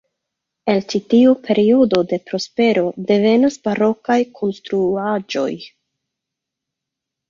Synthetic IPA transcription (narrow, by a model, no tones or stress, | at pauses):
e̞lt͡ʃitiupʰe̞ɾio̞do̞de̞pɾo̞spe̞ɾo̞de̞ve̞nasbaɾo̞kajkʰo̞nstɾuad͡ʒo̞̰j